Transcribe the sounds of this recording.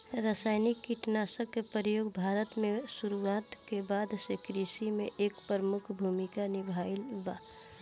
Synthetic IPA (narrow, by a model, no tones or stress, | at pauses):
ɾaːsaːɪnɪkːiʈnaːsəkːepəɾjoːɡbʱaːɾət̪mẽsuɾuwaːt̪kebaːd̪sekɾisimẽʔeːkpəɾəmʊkʰbʱuːmikanɪbʱaːɪlbaː